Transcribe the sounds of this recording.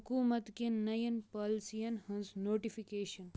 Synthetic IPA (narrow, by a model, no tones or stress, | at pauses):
hkuːmɐt̪kinnɐjɐnpɐːlsijɐnhɐnznoːʈifʰikeːʃɐn